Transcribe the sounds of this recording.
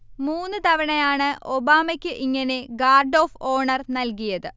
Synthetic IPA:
muːnːɨt̪ɐʋɐɳɐjaːɳɨʔobaːmɐkʲːɨʔiŋːɐne̞ɡaːrɖo̞ːfo̞ːɳɐrnɐlkijɐðɨ

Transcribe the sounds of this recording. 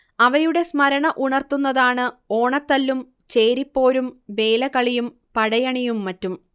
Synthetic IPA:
ɐʋɐjuɽe̞smɐɾɐɳɐʔuɳɐrt̪unːɐðaːɳɨo̞ːɳɐt̪ːɐlːum | t͡ɕe̞ːɾipːo̞ːɾumʋe̞ːlɐkɐɭijum | pɐɽɐjɐɳijumːɐtːum

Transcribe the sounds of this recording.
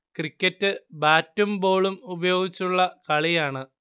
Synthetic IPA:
krikʲːɐtːɨbaːtːumbo̞ːɭumubɐjo̞ːɡit͡ɕːuɭːɐkɐɭijaːɳɨ

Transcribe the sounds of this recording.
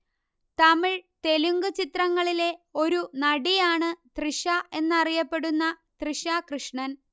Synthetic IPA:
t̪ɐmiɻt̪e̞luŋɡut͡ɕit̪rɐŋːɐɭile̞o̞ɾunɐɽijaːɳɨt̪riʂɐʔe̞nːɐrijɐpːe̞ɽunːɐt̪riʂakrɨʂɳɐn

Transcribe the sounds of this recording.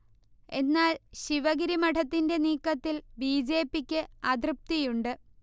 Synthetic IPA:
e̞̰nːaːlɕiʋɐɡiɾimɐʈʰɐt̪ːinde̞niːkːɐt̪ːilbiːd͡ʑe̞ːpːikʲːɨɐd̪rɨp̚t̪ijuɳɖɨ

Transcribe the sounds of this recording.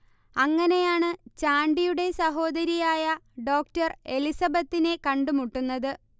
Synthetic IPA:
ɐŋːɐne̞jaːɳɨt͡ɕaːɳɖijuɽe̞sɐɦo̞ːd̪ɐɾijaːjɐɖo̞ːk̚tɐre̞lisɐbɐt̪ːine̞kɐɳɖumuʈːunːɐðɨ

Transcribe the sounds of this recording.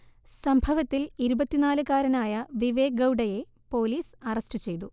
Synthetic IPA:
sɐmbʱɐʋɐt̪ːiliɾubɐt̪ːinaːlɨkaːɾɐnaːjɐʋiʋe̞ːɡɐwɖɐje̞ | po̞ːliːsɐrɐstut͡ɕe̞jt̪u

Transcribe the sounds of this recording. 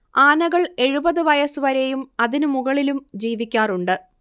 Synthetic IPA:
aːnɐɣɐɭe̞ɻubɐðɨʋɐjɐsɨʋɐɾejumɐðinɨmuɣɐɭilumd͡ʑiːʋikʲːaːruɳɖɨ

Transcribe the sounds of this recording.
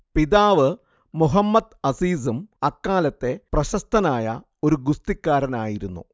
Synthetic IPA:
piðaːʋɨ | muɦɐmːɐd̪ɐsiːsumɐkːaːlɐt̪ːe̞prɐɕɐst̪ʰɐnaːjɐ̰ | o̞ɾuɡust̪ikʲːaːɾɐnaːjiɾunːṵ

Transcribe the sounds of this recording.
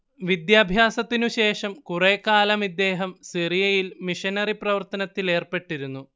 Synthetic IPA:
ʋid̪jaːbʱjaːsɐt̪ːinuɕe̞ːʂɐmkureːkːaːlɐmid̪ːe̞ːɦɐmsirijɐjilmiʂɐnɐriprɐʋɐrt̪ɐnɐt̪ːile̞ːrpe̞ʈːiɾunːu

